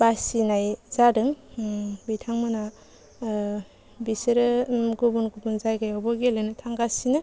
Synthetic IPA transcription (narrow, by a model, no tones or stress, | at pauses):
basinajzadɯŋ | bitʰaŋmɯna | bisɯɾɯɡubunɡubunzajɡajawbɔɡelɯnɯtʰaŋɡasinɯ